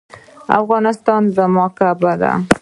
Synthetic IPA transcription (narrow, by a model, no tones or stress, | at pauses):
a̰fɣɑnɪst̪ɑnzamɑkabad̪a̰